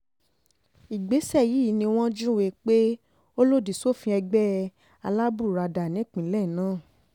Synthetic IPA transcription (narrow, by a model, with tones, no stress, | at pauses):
i˨ɡ͡be˨˦sɛ˦˨ji˨˦˨nĩ˧w̃ɔ̃˦d͡ʒũ˦we˧k͡pe˦ | o˦lo˦˨di˨so˦˨fĩ˧ɛ˧ɡ͡bɛ˦ | a˧la˦bu˦˨ɾa˧da˨nĩ˨˦˨k͡pĩ˨˦lɛ˦˨nãː˦˨